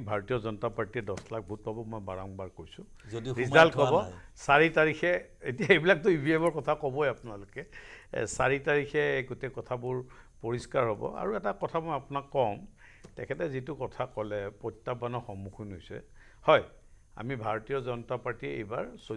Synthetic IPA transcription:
bʱaɹotijɔzɔnɔtapaɹtiɛdɔslak̚bʱut̚pabɔmɔjbaɹɔŋbaɹkoɹjsʊ̃ | zodiɹizaltkɔbɔsaɹitaɹikʰɛ | etijaejbilak̚tʊibʱiɛmɔɹkɔtʰakɔbɔjapʊnalʊkɛsaɹitaɹikʰɛɡutekɔtʰabʊɹ | poɹiskaɹɦobɔ̰a̰ɹuɛtakɔtʰamɔjapʊnakːɔm | tɛkʰɛtɛzitʊkɔtʰakɔlɛpɔtːabanɔxɔmːukʰunɦojsɛ̰ | hɔj | a̰mibʱaɹotijɔzɔnɔtapaɹtiḛjba̰ɹso

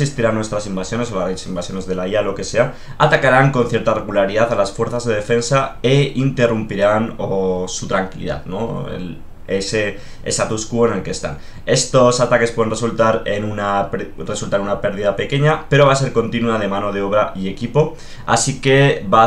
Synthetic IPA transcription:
sist̪iɾanwe̞st̪ɾasimbasjo̞ne̞solasimbasjo̞ne̞zðe̞laialo̞ke̞se̞a | at̪akaɾaŋko̞nθje̞ɾt̪are̞ɣulaɾiðaθalasfwe̞ɾθazðe̞ð̞e̞fe̞nsaeint̪e̞rumpiɾanosut̪ɾaŋkilḭða̰ðno̞ḛl | ese | esat̪uskuene̞lke̞st̪a̰n | e̞st̪o̞sat̪akepwe̞ðe̞nreult̪aɾe̞nunare̞sult̪aɾenunape̞ɾð̞iðape̞ke̞ɲape̞ɾo̞βase̞ɾko̞nt̪inuaðe̞mãno̞ð̞eo̞β̞ɾaʔie̞kipo̞ | a̰sike̞βa

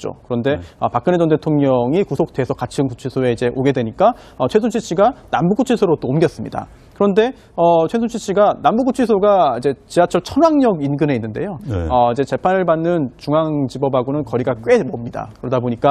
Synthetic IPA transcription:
t͡ɕ͈o̰kɯɾʌnde̞ʌpak̚k͈ɯned͡ʑʌnde̞tʰoŋɲʌŋikusʰok̚t͈eesʰʌkat͡ɕʰɯnkut͡ɕʰisʰoe̞id͡ʑe̞ʔoɡe̞dwe̞ɲik͈a | ʌt͡ɕʰwes̬ʰot͡ɕʰit͡ɕʰiɡanambuɡut͡ɕʰisʰoɾot͈oːmɡjʌs͈ɯmɲḭda̰ | kɯɾʌnde̞ | ʌt͡ɕʰwesʰot͡ɕʰit͡ɕʰiɡanambuɡut͡ɕʰɥisʰoɡaid͡ʑe̞t͡ɕiat͡ɕʰʌt͡ɕʰʌnwaŋɲʌɡinɡɯne̞inːɯnde̞̰joʌid͡ʑe̞t͡ɕe̞pʰanɯɭbanːɯnt͡ɕuŋaŋt͡ɕibʌbʱaɡonɯnkʌɾiɡak͈we̞mʌmɲida̰kɯɾʌdaboɲik͈a

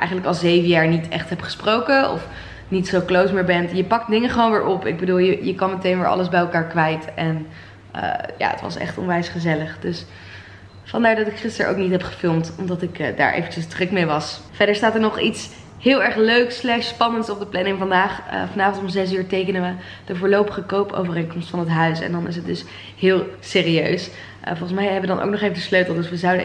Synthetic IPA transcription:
ʔɛ̰jχənləkɑlˠzejvəjaːɹnitɛ̰χtɦɛpχə̥sprowkəɔ̰f | nitsowklowsmɪːɹbɛntjəpɑk̚tdɪŋəχəʋownʋɪːɹʔɔpɪ̰ɡ̚bəduːlˠjəjəkɑmətejnʋɪːɹʔɑ̰ləzbɛjɛlˠkaːɹkʋɛjtɛn | ə̰ːja̰ːə̰tʋɑ̰sɛ̰χtɔ̰nʋɛjsχəzɛləχdɵs | fɑndaːɹdɑtɪkχɪstə̰ɹo̰wknitɦɛpχə̥fɪlˠmtɔmdɑtɪkːda̰ːɹʔḛjvət͡ʃəsdrɵkmejʋɑs | fɛdəɹstaːtəɹnɔχits | hɪːlˠɛɹχløɥkslɛχtsspɑnəntsɔb̚dəplɛnɪŋvɑndaːχfɑnaːvɔntɔmzɛs̬yːɹtejkənəʋə | d̥əvʊːɹlowpəχəkowpo̰wvərejnkɔmstfɑnətɦœɥsɛ̰ndɑnɪ̰s̬ɦət̚dɵs | hɪːlˠseːriøɥs | fɔlˠχənsmɛjɛbəʋədɑnʔo̰wk̚nɔχejvədəsløɥtl̩ˠdɵsʋəzɑwdə

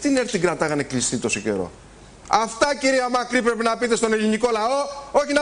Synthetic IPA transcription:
t̪ineɾt̪iɡɾɐt̪ɐɣɐneklist̪it̪osice̞̰ɾo̞̰ | ɐft̪ɐciɾiɐmɐkɾipɾepinɐpit̪est̪o̞neliniko̞lɐo̞o̞çinɐ

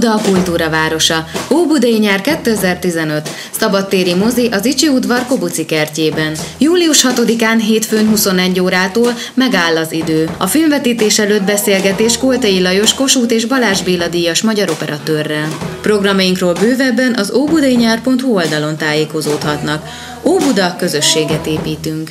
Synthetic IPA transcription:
d̪ɒːkult̪uːɾɒvaːɾo̞ʃɒoːbud̪ɒjiɲaːrkɛt̪ːøɛzɛrt̪izɛnø̞t̪ | sɒbɒt̪ːeːɾimo̞ziʔɒzit͡ʃiud̪vɒrko̞but̪sikɛrceːbɛnjuːliuʃhɒt̪o̞d̪ikaːnɦeːt̪føːɲɦuso̞nɛɟːoːɾaːt̪oːl | mɛɡaːlːɒzid̪øːɒfilɱvɛt̪iːt̪eːʃɛlød̪bɛseːlɡɛt̪eːʃkolt̪ɒjilɒjo̞ʃko̞ʃuːt̪eːʒbɒlaːʒbeːlɒd̪ijɒʃmɒɟɒɾo̞pɛɾɒt̪øːrːɛlpro̞ɡrɒmɒjiŋkroːlbøːvɛbːɛnʔɒzoːbud̪ɒiɲaːrpo̞nt̪huold̪ɒlo̞nt̪aːjeːko̞zoːt̪hɒt̪nɒk | oːbud̪ɒkø̞zø̞ʃːeːɡɛt̪eːpiːt̪yŋk

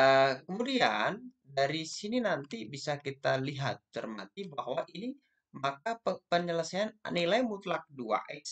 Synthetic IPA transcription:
əkəmudian | daɾisininant̪ibisakit̪aliɦa̰t̪ːə̰rma̰t̪ibahwaʔini | mak̚aəpəɲələsaannilajmut̪lak̚dua̰ʔɛks

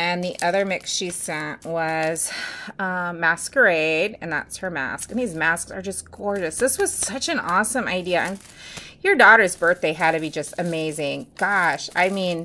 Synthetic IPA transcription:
ɨ̃nðiʔʌðə˞mɪksʃisɛ̃ʔwʌz̥ʌmæskə˞eɪɾɨ̰̃nðæ̰tshə˞mæ̰sknðizmæsksə˞d͡ʒʌsɡ̥ɔɹd͡ʒɨsðɪswʌz̥sʌt͡ʃɨ̃nɔsə̃ma̰ɪdiɨʔɨ̃n | jə˞dɔɾə˞zbɜ˞θd̥eɪɨd̚tɨbid͡ʒʌstɨmeɪzɪ̃ŋɡ̥ɑʃa̰ɪmĩn

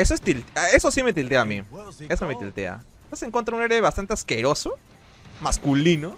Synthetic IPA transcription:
esoest̪ilt̪esosimet̪ilt̪eamḭesomet̪ilt̪ea̰ | oseŋkwont̪ɾauneɾeβast̪ant̪easkeɾo̞so | maskulino

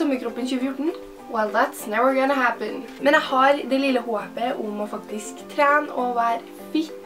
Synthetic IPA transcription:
ɔmːəkʰɾɔpːənçʉːəfjʊʈɳ̩ | wɛlðæt̪snɛʋəɹɡɔnəɦæpə̃nmɛnjæhɑɾd̪ɛlɪləhoːpəʔʊmɔfɑkt̪ɪskt̪ʰɾæːnɔʋæːɾ | fɪt̪

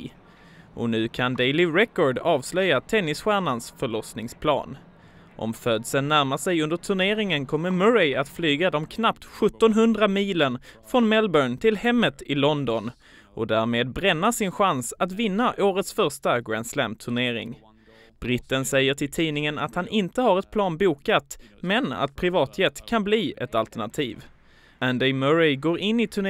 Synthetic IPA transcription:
ʔɔ̰nʉ̟ːkʰand̪ɛɪlɪɾɛkɔɖɑːvslœjat̪ʰɛnːɪsɧæːɳansfœɭɔsnɪŋspʰlɑ̰ːn | ʔɔ̰mføːd̪sənːæɾmasɛjɵnd̪əʈʰɵɳeːɾɪŋənkʰɔmːəmœɾɛɪat̪flyːɡad̪ɔmkʰnapt̪ɧɵt̪ːɔnɦɵnd̪ɾamiːlənfɾɔnmɛlbœɳt̪ʰɪlhɛmːət̪ɪlɔnd̪ɔn | ʔɔd̪æːɾmeːd̪̚bɾɛnːaʂɪnɧansat̪vɪnːaʔoːɾət̪sfœɾʂʈaɡɾæ̰nslæ̰mt̪ʰɵɳeːɾɪ̰ŋ | b̥ɾɪt̪ːənsɛjːəʈʰɪlt̪ʰiːnɪŋəna̰t̪hanɪnt̪əhaɾɛt̪̚pʰlɑːnbuːkat̪mɛna̰t̪̚pʰɾɪvɑːt̪ʰjɛt̪ːkʰanbliːʔɛ̰t̪alt̪əɳat̪ʰiːv | ænd̪ɛɪmœɾɛɡoːɾʔɪnːɪt̪ʰɵɳ

